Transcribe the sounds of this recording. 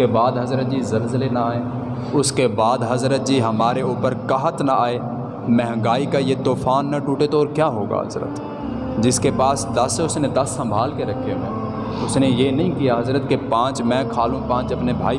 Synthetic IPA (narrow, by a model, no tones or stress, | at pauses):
ebaːd̪ɦɐzɾət̪̚d͡ʒiːzəlzəlenaaːeː | ʊskebaːd̪ɦɐzɾət̪̚d͡ʒiːɦɐmaːɾeʊːpəɾkəɦət̪naaːe | mɛ̃ɦə̃ŋɡaːikajet̪oːfʰaːnːaʈuːʈet̪oːɾkjaːɦoːɡa̰ːɦə̰zɾə̰t̪ | d͡ʒɪskepaːsd̪ɐsʊsned̪ɐsːə̃mbʱaːlkeɾɐkʰːeɛ̃ː | ʊsnejeːnɐɦĩkijaɦɐzɾət̪kepãːt͡ʃmɛ̃ːkʰaːlũpãːt͡ʃɐpnebʱa̰ːi